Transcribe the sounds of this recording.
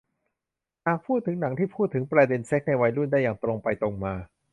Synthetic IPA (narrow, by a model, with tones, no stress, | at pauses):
naː˨˧˩k̚pʰuː˥˩t̪ʰːɯ˩˦ŋna˩˦ŋt̪ʰiː˥˩pʰuː˥˩t̪ʰːɯ˩˦ŋpɾaː˧de˧nse˦˥k̚na˧jwa˧jɾu˥˩ndaː˥˩jaː˨˩ŋt̪ɾo˧ŋpa˧jt̪ɾo˧ŋmaː˧